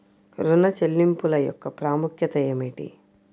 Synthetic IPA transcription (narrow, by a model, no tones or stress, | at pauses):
ɾunɐt͡ʃelːimpulɐjɔ̰kːɐpɾaːmukʰjɐt̪ɐjemiʈḭ